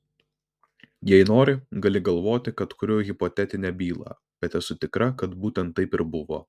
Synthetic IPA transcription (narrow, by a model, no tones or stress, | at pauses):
jɛɪnoːɾʲɪɡɐlʲɪɡɐlˠʋoːt̪ʲɪkɐt̪kʊɾʲoːɣʲɪpɔt̪ʲɛt̪ʲɪnʲɛːbʲiːlˠɑ̰ː | b̥ʲɛt̪ʲɛsʊt̪ʲɪkɾɐkɐt̪buːt̪ʲɛnt̪ːɐɪpɪɾbʊʋo̰ː